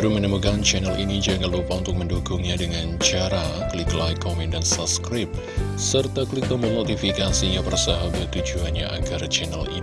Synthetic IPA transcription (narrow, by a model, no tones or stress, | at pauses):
ɾumənəmukant͡ʃɛnalinid͡ʒaŋalupaunt̪ʊk̚mənduɡʊŋɲadəŋant͡ʃaɾakliklajkomɛndansaskɾɪp̚ | sərt̪aklit̪ɔməmot̪ifikasiɲapərsaɦabat̪ːud͡ʒuanɲaʔaɡart͡ʃɛnalḭn